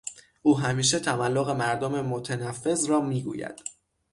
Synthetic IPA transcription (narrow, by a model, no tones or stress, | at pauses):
ʔuːɦæmiːʃ̬e̞t̪ʰæmælːoɣe̞mæɾd̪ome̞mo̞t̪ʰænæfːe̞zrɒːmiːɡṵːjæ̰d̪̥